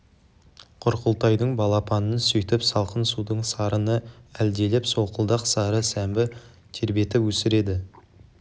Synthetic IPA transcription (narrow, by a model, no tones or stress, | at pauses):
qʰʊɾqəlˠt̪ɑjd̪əɴbɑlˠɑpʰɑnənsɵjt̪ɪpsɑlˠqənsud̪əɴsɑɾənəæld̪e̞lɪpso̞qəlˠd̪ɑqsɑɾəsæmbɪ | t̪ʰe̞ɾbe̞t̪ɪwɵsɪɾe̞d̪ɪ